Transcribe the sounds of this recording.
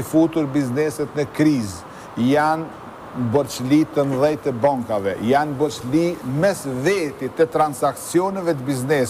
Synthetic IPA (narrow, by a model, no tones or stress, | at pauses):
fut̪uɾbiznɛsɛt̪nəkɾiz | jan | bəɾt͡ʃlit̪ənðɛjt̪əbaŋkavɛjanbəɾt͡ʃlimɛsðɛt̪it̪ət̪ɾansaksjɔnɛvɛt̪əbiznɛs